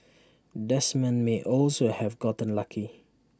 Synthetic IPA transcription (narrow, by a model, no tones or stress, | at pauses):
dɛsmɛ̃nmeʔɔlsohɛvɡɔtə̃nlakʰi